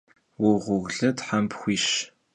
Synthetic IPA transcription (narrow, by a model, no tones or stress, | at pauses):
wʊʁʷʊɣɮɐtħampʰxʷiːʃ